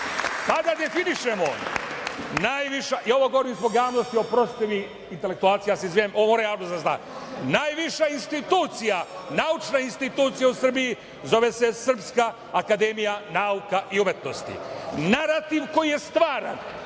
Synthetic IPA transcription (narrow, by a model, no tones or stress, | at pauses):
t̪ad̪ad̪e̞finiʃemo | naːjʋiʃaʔio̞ʋoɡo̞ʋoɾimzboɡjaːʋno̞st̪io̞pɾo̞st̪eʋi | int̪e̞le̞kt̪uaːlt̪sijaːseizʋiemoomoɾajaːʋnod̪d̪azna̰ː | naːjʋiʃainst̪it̪uːt̪sijanaut͡ʃnainst̪it̪uːt̪sijausr̩biji | zo̞ʋese̞sr̩pskaː | kad̪emijanaːukaʔiumjet̪no̞st̪ḭnaɾat̪iʋko̞jije̞st̪ʋaːɾa̰n